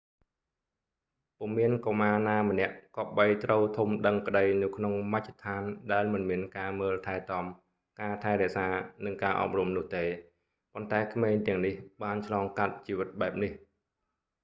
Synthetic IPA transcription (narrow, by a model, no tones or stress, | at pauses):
pumiənkomaːnaːmənɛ̆əʔkɑːɓəjt̪rəwt̪ʰumɗəŋkə̆ɗəjnɨwkʰnoŋmac̚ʰːt̪ʰaːnɗaɛlmɨnmiənkaːməːlt̪ʰaɛt̪ɑm | kaːt̪ʰaɛɾɛ̆əʔsaːnɨŋkaːʔɑ̰ːp̚rumnʊ̆əht̪eː | pont̪aɛkʰmeːɲt̪ɛ̆əŋnihɓaːnt͡ɕʰlɑːŋkat̪̚t͡ɕiːʋɨt̪̚ɓaɛp̚nih